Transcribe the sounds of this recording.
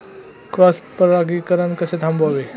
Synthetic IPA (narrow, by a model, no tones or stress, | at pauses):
kɾɔspəɾaɡikəɾənkəset̪ʰãmboʋe